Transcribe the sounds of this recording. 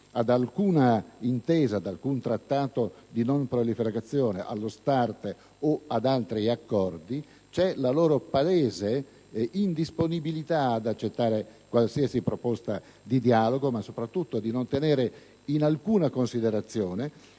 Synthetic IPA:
ad̪alkuːnaint̪eːzaːd̪alkunt̪ɾat̪ːaːt̪od̪inompɾolifeɾɡat̪sːjoːneʔa̰lːost̪art̪ | oad̪alt̪ɾiakːɔrd̪i | t͡ʃɛlaloːɾopaeːze | ind̪isponibilit̪aːd̪at͡ʃːet̪ːaːɾekwalsiasipɾopost̪a | d̪id̪iaːloɡomasopɾat̪ːut̪ːod̪inont̪eneːɾe | inalkuːnakonsid̪eɾat̪sːjoːne

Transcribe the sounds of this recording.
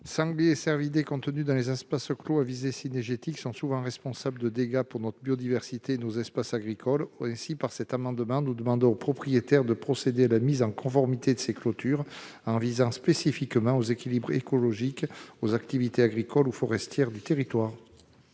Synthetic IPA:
sɑ̃ɡleesɛʁvid̪ekɔ̃t̪ənyd̪ɑ̃lezɛspaskloavizesinɛʁʒet̪iksɔ̃suvɑ̃ʁɛspɔ̃sabləd̪əd̪eɡapuʁnɔt̪χəbjod̪ivɛʁsit̪eːnozɛspasaɡʁikʰɔlɛ̃sipaʁsɛt̪amɑ̃d̪əmɑ̃nud̪əmɑ̃d̪ɔ̃opχɔpχijet̪ɛʁd̪əpχɔsed̪ealamizɑ̃kɔ̃fɔʁmit̪ed̪əseklɔt̪ʰyʁ | ɑ̃vizɑ̃spesifikmɑ̃ozekʲilibʁḛkɔlɔʒikozakt̪ivit̪eaɡʁikɔlufɔʁɛst̪jɛʁd̪yt̪eʁit̪waːʁ

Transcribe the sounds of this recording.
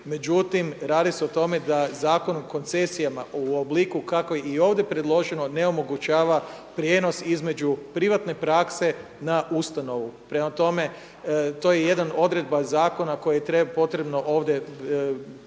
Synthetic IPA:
me̞d͡ʒut̪imɾaːd̪iseot̪o̞me̞d̪azaːko̞nomko̞nt̪se̞sijamaʔuoblikukako̞jeio̞ːʋd̪je̞pɾe̞d̪lˠo̞ʒeno̞ne̞o̞mo̞ɡut͡ɕaːʋa | pɾje̞ːno̞sizme̞d͡ʑupɾiʋat̪ne̞pɾakse̞ | naʔust̪ano̞ʋupɾe̞mat̪o̞me̞ | t̪o̞ːjeje̞d̪ano̞d̪ɾe̞d̪bazaːko̞nako̞jajet̪ɾepo̞t̪ɾe̞bno̞ʔoːʋd̪je̞

